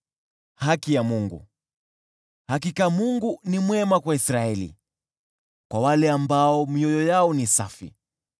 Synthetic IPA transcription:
hakijamuŋɡṵ | hak̬ikamuŋɡunimwɛmakwaisɾaɛlḭ | kwawalɛambaɔmiɔjɔjaɔnisafḭ

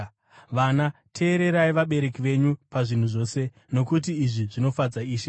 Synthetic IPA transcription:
ʋanatʰe̞ːɾe̞ɾaiʋaɓe̞ɾe̞kiʋe̞ɲupaʐin̤uʐo̞ːse̞ | no̞kut̬iːʐiʐino̞fad͡zaiːʃe

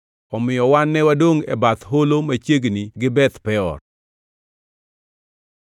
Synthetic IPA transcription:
ɔmɪjɔwanːɛwadoŋɛ̰bat̪ɦolomat͡ʃeɡniɡɪbɛt̪pɛɔ̰r

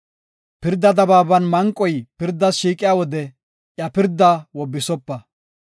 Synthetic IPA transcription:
pɪɾd̪ːɐd̪ɐbaːbɐnmɐŋkʼːɔjpɪɾd̪ːɐsʃiːkʼɪjaːwɔd̪ɛ | ʔjɐpɪɾd̪ːawɔbːɪsɔpːɐ

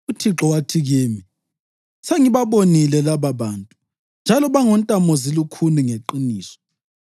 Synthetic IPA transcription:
utʰiǁɔwatʰiɣiːmi | seŋiβaβonilɛlaβaβaːntʼu̥ | nd͡ʒʱalɔβaŋɔntʼamɔzilukʰuniŋeǃiniːsɔ̥

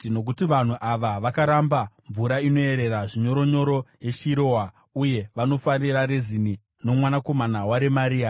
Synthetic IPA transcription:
no̞k̬utiʋan̤uʔaʋaʋakaɾambaɱvuɾaino̞e̞ɾe̞raʐiɲo̞ɾo̞ɲo̞ɾo̞je̞ʃiɾo̞wa | uje̞ʋano̞farirarezini | no̞mwanako̞manawaɾe̞maɾiːa

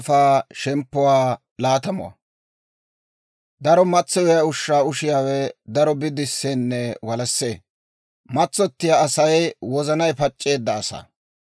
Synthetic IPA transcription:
faːʃɛmpːɔwaː | laːt̪ɐmɔ̰wɐ̰ | d̪ɐɾɔmɐt͡sːɔjɛjɐʊʃːaːʊʃɪjaːwɛd̪ɐɾɔbɪd̪ɪsːeːnːɛwɐlɐsːeː | mɐt͡sːɔt̪ːɪjaːsɐjwɔzɐnɐjpɐt͡ʃʼːe̞ːd̪ːɐːsɐ̰

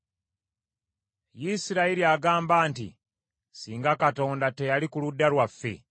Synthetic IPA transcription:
jisiɾaiɾiaɡaːmbaːntḭ | siːŋɡakato̞ːndate̞jalikuludːaɾwafːe̞̰

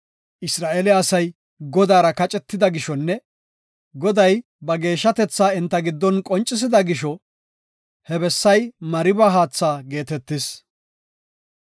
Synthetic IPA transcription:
ʔɪsɾaːʔeːlɪːsɐj | ɡɔd̪aːɾɐkɐt͡ʃʼɛt̪ːɪd̪ɐɡɪʃɔnːɛ | ɡɔd̪ɐj | bɐɡe̞ːʃːɐt̪ɛt͡sːaːɪnt̪ːɐɡɪd̪ːɔnkʼɔnt͡ʃʼːɪs̬ɪd̪ɐɡɪʃɔ | hɛbɛsːɐjmɐɾɪbaɦaːt͡sːaːɡe̞ːt̪ɛt̪ːɪs

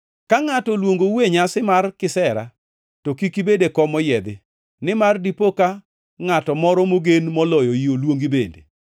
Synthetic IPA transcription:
kaŋatɔlwoŋɡoweɲasɪmarkɪsɛɾa̰ | tokikibedekɔmɔjɛd̪ɪ | nɪmardipoka | ŋatɔmɔɾɔmoɡenmɔlɔjɔjiolwoŋɡibedḛ

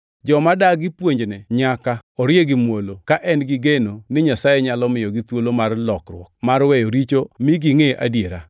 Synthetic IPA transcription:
d͡ʒɔmadaɡɪpwoɲd͡ʒnɛɲakaɔɾjeɡɪmwolokaʔɛnɡɪɡenonɪɲasajɛɲalɔmɪjɔɡɪt̪wolomarlɔkrwɔk̚marwɛjoɾit͡ʃomɪɡɪŋeʔa̰djeɾa

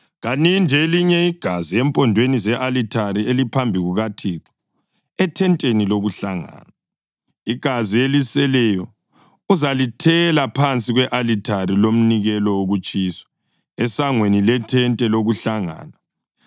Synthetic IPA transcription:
ɣanindʱeliɲɛiɡ̥ʱaziɛmpʼɔndʱwenizɛʔalitʰaɾielipʰambʱiɣuɣatʰiǁɔ̥ | ɛtʰɛntʼeniloɣuɬaŋa̰ːna | iɡ̥ʱazielisɛlɛjɔ | uzalitʰɛlapʰant͡sʼiɣwɛʔalitʰaɾilom̩niɣɛlɔwoɣut͡ʃʼiːswḁ | ɛsaŋwenilɛtʰɛntʼɛloɣuɬaŋa̰ːna

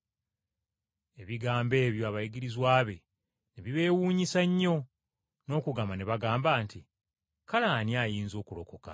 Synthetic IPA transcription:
e̞βiɡaːmbe̞ːβjo̞aβajiɡiɾizwaːβe̞ | neβiβe̞ːwuːɲisaɲːo̞ | no̞ːkuɡamaneβaɡaːmbaːnti | kalaːnjaːjiːnzo̞ːkulo̞ko̞ka̰

